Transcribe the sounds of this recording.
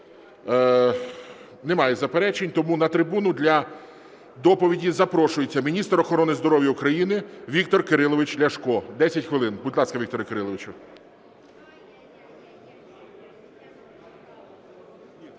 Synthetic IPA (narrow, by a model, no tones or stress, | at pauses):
nemɑjɛzɐpeɾɛt͡ʃenʲt̪ɔmunɐt̪ɾɪbunʊd̪ʲlʲɐ | d̪ɔpɔʋʲidʲizɐpɾɔʃʊjet͡sʲːɐmʲinʲist̪ɾɔxɔɾɔnɪzd̪ɔɾɔʋjɐʊkɾɐjinɪʋʲik̚t̪ɔrkeɾɪlˠɔʋɪt͡ʃʲlʲɐʃkɔd̪ɛsʲɐtʲxʋelˠɪnbʊd̪ʲlˠɑskɐʋʲik̚t̪ɔɾɪkeɾɪlˠɔʋɪt͡ʃʊ